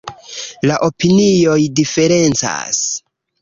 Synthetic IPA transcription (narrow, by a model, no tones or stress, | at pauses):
laʔo̞pinio̞jdife̞ɾe̞nt͡sa̰s